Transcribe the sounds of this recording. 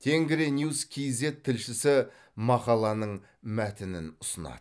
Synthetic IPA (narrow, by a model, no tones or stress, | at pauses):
t̪ʰe̞ŋɡʲɪɾenjuskʲʰijze̞t̪ʰːɪlʃɪsɪ | mɑqɑlˠɑnəɴ | mæt̪ɪnɪ̰nʊsənɑ̰d̪̥ə